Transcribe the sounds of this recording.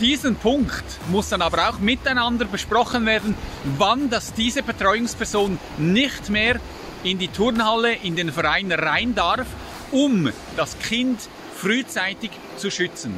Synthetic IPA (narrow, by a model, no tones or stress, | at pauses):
d̥iːzənpʰʊŋkt | mʊsd̥ɑnɑːbəɾaʊxmɪtaɪnɑndəɾbəʃpʁɔχənveːɐdn̩vɑndɑsd̥iːzəbetʁ̥ɔʏʊŋspʰɛɐʁzoːnː | ɪçtmeːɾ | ɪndiːtʰʊɾnhaləʔɪndeːnfɛɾaɪnʁaɪndaʁf | ʊm | d̥ɑskʰɪnt | fryːt͡saɪtɪç | t͡suʃʏt͡sən̩